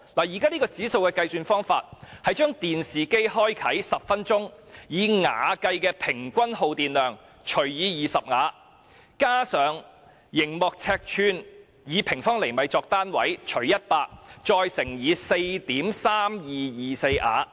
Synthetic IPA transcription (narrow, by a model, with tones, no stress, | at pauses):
laː˨˩jiː˨˩kaː˥niː˥kɔː˧t͡siː˨˥so˧wkɛː˧kɐ˧jsyː˧nfɔː˥ŋfa̰ː˧t̚hɐ˨jt͡ʃœː˥ŋt̪iː˨nsiː˨ke˥jɦɔː˥jkʰɐ˨˥jsɐ˨p̚fɐ˥nt͡ʃʊ˥ŋjiː˨˧ŋa̰ː˨˧kɐ˧jkɛː˧pʰɪ˨˩ŋkʷɐ˥nho˧wt̪iː˨nlœː˨ŋ | t͡ʃʰɵ˨˩ɥjiː˨˧jiː˨˩sɐ˨p̚ŋaː˨˧ | kaː˥sœː˨ŋ | jɪ˨˩ŋmɔː˨k̚t͡sʰɛː˧k̚t͡ʃʰyː˧n | jiː˨˧pʰɪ˨˩ŋfɔː˥ŋle˨˩jmɐ˨˧jt͡sɔː˧k̚t̪aː˥nwɐ̰˨˥jt͡ʃʰɵ˨˩ɥjɐ˥t̚paː˧k̚t͡ʃɔː˧jsɪ˨˩ŋjiː˨˧se˧jt̪iː˨˥msaː˥mjiː˨jiː˨se˧jʔa̰ː˨˥